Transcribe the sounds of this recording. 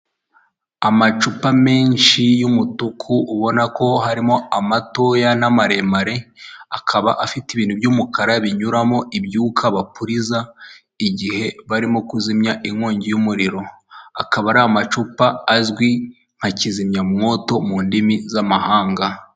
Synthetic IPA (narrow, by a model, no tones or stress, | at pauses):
amat͡ʃupame̞ːnʃijumutukʰuːβo̞nako̞haɾimo̞amato̞janamaɾe̞maɾe̞akʰaβaʔafitiβiːn̥hubjuːmukaɾaβiɲuɾamoʔibjuːkʰaβapuɾiza | iɟihe̞βaɾimo̞kuzimɲaʔiŋŋoːɲɟijumuɾiɾo̞ | a̰kaβaɾaomat͡ʃupaːzɡwi | ŋ̥hacizimɲamŋo̞ːto̞muːndimizamahaːŋɡa